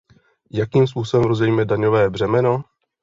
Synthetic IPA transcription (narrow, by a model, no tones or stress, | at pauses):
jakiːmspuːsobɛmɾozɛjiːmɛdaɲo̞vɛːbr̝ɛmɛno